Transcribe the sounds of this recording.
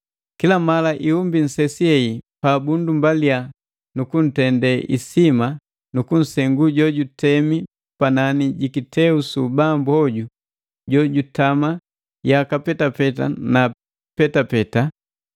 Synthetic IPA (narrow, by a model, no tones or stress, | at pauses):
kilamalaʔiumbin̩sɛsiɛipabundumbalia | nukun̩tɛndɛʔḭsima | nukun̩sɛŋɡuɟɔɟutɛmi | pananiɟikitʰɛusubambuɔɟu | ɟɔɟutama | jakapɛtapɛta̰na | pɛtapɛta